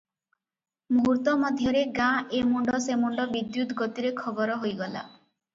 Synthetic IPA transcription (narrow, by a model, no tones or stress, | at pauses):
muɦuɾt̪ɔmɔd̪ʱjɔɾeɡãʔemuɳɖɔsemuɳɖɔbid̪jut̪ɡot̪iɾekʰɔbɔɾɔɦojɡɔla̰